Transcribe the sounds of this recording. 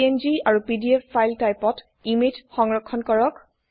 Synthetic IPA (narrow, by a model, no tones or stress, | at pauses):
enziaɹupidiepːajltajpɔt | imitxɔŋɹɔkʰːɔnkɔɹɔk